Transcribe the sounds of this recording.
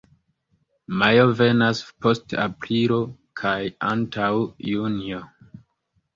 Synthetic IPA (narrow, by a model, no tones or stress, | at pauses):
majo̞ve̞naspo̞sta̰pɾilo̞kʰaja̰ntawjunio